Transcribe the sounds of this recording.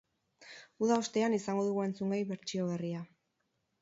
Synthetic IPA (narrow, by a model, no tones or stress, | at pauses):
uðaost̪e̞anisaŋɡo̞ð̞uɣue̞nt͡suŋɡajβe̞ɾt͡ʃio̞βeria